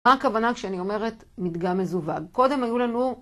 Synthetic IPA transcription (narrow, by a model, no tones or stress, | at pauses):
aːkavanakʃeanio̞me̞ʁe̞t | mid̪ɡamezuvaɡko̞d̪emajulanu